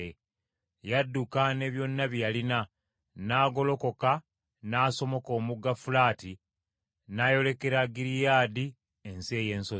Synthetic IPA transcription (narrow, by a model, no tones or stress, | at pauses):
e | jadːukane̞βjo̞nːaβjalina | naːɡo̞lo̞ko̞ka | naːso̞mo̞ko̞ːmuɡːafulaːti | naːjo̞le̞ke̞ɾaɡiɾijaːdi | ense̞ːje̞ːnso